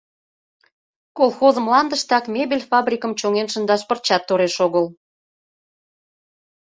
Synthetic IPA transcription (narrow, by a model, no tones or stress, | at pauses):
kolˠxozəmlɑnd̪əʃt̪ɑkmebelʲfɑbrʲikəmt͡ɕoŋenʃə̆nd̪ɑʃpərt͡ɕɑt̪ːoɾeʃoɣəl